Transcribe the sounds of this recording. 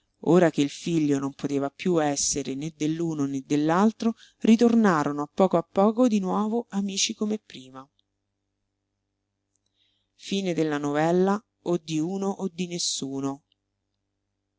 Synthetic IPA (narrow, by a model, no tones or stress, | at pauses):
oːɾak̟eilfiʎːonompot̪eːvapjuɛsːeɾened̪ːelːuːnoned̪ːelːalt̪ɾo | rit̪ornaːɾonoapːɔːkoapːɔːkod̪inwɔːvoamiːt͡ʃikomepːɾiːma | fiːned̪elːanovɛlːa | od̪ːiuːnoʔod̪ːinesːuːno